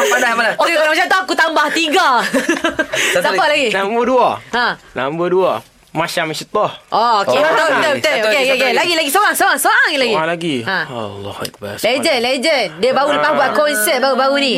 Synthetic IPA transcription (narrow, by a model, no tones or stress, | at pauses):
apadaamanaokeɾamaʃamt̪uakut̪ambaht̪iɡa | t̪abalaɡinabuduaãna̰mbədua | maʃaməʃət̪ɔhʔooet̪ət̪ət̪əokekkelaɡilaɡisoɾaŋsoɣaŋsoɣaŋlaɡialaɡiãa̰lɔ̰k̚ba̰led͡ʒənled͡ʒəndiəbauləpahbuaʔkɔnsɛt̪̚baubaɣunĩ